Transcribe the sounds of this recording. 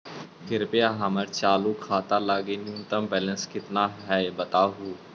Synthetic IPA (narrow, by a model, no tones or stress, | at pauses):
kʰɪɾpeaɦaməɾt͡ʃaːlukʰaːt̪aːlaɡenjũːnt̪əmbɛːlənskɪt̪naːɦɛbət̪aːɦuː